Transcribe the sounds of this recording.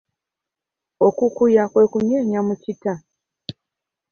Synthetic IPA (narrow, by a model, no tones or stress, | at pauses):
o̞kukujakwe̞ːkuɲeːɲamucita